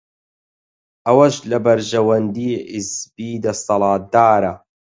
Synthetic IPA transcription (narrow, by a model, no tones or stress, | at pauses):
ʔɐwɐʃlɐbɐɾʒɐwɐnd̪iːɪzbiːd̪ɐsˤɑlɑːd̪aːɾa